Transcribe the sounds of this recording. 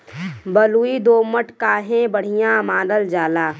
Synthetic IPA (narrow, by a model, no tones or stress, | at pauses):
bəluid̪oːməʈkaːɦẽbəɽ̤ɪjãmãːnəld͡ʒaːlaː